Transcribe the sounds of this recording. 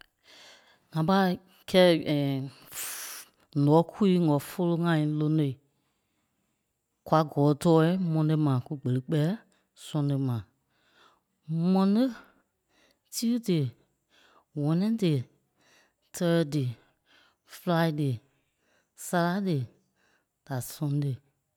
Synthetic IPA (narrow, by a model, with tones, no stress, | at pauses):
ŋã˨pa˦˨ | kʰɛː˦˨ | nɔ̃ː˨˦kʰu˦i˦ŋɔ̃˨fo˦˧lo˧ŋã˧˦ĩ˨lo˧no˧i˨ | kwa˨˧ɡɔː˨˦tɔː˦i˦mɔ̃˧˦dɨ˧mã˨ku˦ɡ͡bə˨lɨ˦k͡pɛ˦ | sɔ̃˧˦nɨ˧mã˨ | mɔ̃˧nɨ˦ | ti˦dɨ˨ | wɔ̃˨˦nɛ̃˦dɨ˨ | tʰɜː˦˧dɨ˨ | fla˧˦i˦dɨ˨ | sa˧la˦dɨ˨ | d̥a˨sɔ̃˧˦dɨ˨